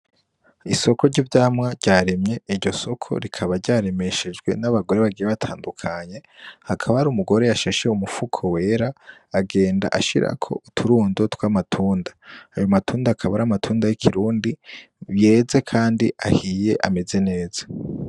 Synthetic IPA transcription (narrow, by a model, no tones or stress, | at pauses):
iso̞ko̞ɾɟivɟaːmŋaɾɟaːɾemɲe̞iɾɟo̞so̞kʰo̞̰ɾikʰaβaɾɟaːɾeme̞ʃed͡ʒɡwe̞̰naβaɡo̞ɾe̞βaɡijeβatʰaːndukʰaɲe̞hakʰaβahaɾumuɡo̞ɾe̞jaʃeʃe̞umufukʰo̞we̞ːɾaːɡe̞ːnda̰ʔaʃiɾa̰kʰo̞̰utʰuɾuːndotwaːmatʰuːndaːjomatʰuːndaːkʰaβaɾamatʰuːndajikʰiɾuːndi | βje̞ːze̞kʰaːndiahije̞ʔa̰me̞ze̞ne̞ːzḁ